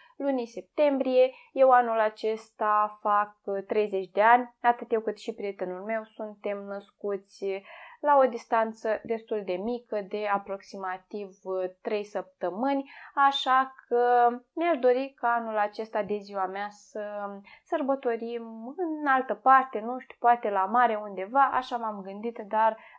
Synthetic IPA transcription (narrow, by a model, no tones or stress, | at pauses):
lunise̞p̚t̪e̞mbɾije̞ | je̞wanulat͡ʃe̞st̪afak̚t̪ɾe̞jze̞t͡ʃʲd̪e̞anʲat̪ɨt̪je̞wkɨt̪ʃipɾie̞t̪e̞nulme̞wsunt̪e̞mnəskut̪sʲlao̞d̪ist̪ant̪səd̪e̞st̪uld̪e̞mikəd̪e̞apɾo̞ksimat̪ivt̪ɾe̞jsəp̚t̪əmɨnʲaʃakʰəneaʃd̪o̞ɾikaanulat͡ʃe̞st̪ad̪e̞ziwameasəsərbət̪o̞ɾimɨnalt̪əpart̪e̞nuʃt̪ʲu̥poat̪e̞lamaɾe̞und̪e̞vaʔa̰ʃamamɡɨnd̪it̪d̪ar